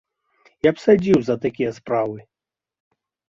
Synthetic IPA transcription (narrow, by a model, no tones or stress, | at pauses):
japsad͡zʲiwzɐt̪akʲijɐspɾavɨ